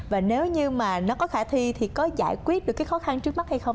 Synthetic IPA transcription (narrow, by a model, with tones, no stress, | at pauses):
vaː˨˩ne˨˦wɲɨ˧maː˨˩nɔ˨˦kɔ˨˦xaː˧˩t̪ʰi˧t̪ʰi˨˩kɔ˨˦za̰ː˧˩˨jkwi˦˥ət̚ɗɨ˨˩kːaː˨˦jxɔ˨˦xa˧nt͡ɕɨ˦˥ək̚ma˦˥t̚ha˧jxə˧wŋ͡m